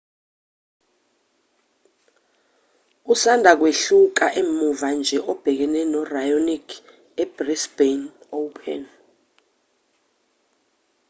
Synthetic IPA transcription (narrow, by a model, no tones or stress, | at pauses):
usandʱak̬weɬuk̬aʔemuvand͡ʒʱɛʔɔb̥ʱɛk̬ɛnɛnɔrajonikʰ | ɛb̥risb̥en | owpʰɛ̰n